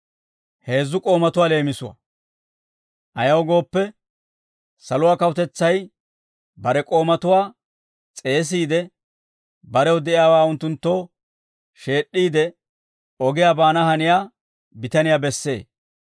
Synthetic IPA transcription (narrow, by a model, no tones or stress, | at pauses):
he̞ːzːʊkʼo̞ːmɐt̪ʊwaːle̞ːmɪsʊwɐ̰ | ʔɐjɐwɡo̞ːpːɛ | sɐlʊwaːkɐwʊt̪ɛt͡sːɐj | bɐɾɛkʼo̞ːmɐt̪ʊwaː | t͡sʼe̞ːs̬iːd̪ɛ | bɐɾɛwʊd̪ɛʔɪjaːwaːʊnt̪ːʊnt̪ːo̞ː | ʃe̞ːɗːiːd̪ɛ | ɔɡɪjaːbaːnɐhɐnɪjaː | bɪt̪ɐnɪjaːbɛsːe̞ː